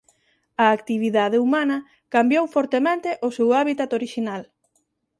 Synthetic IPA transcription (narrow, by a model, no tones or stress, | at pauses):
ɐːkt̪iβ̞iðað̞eumanɐ | kambjowfɔɾt̪emẽnt̪eʔʊsewaβit̪at̪oɾiʃinal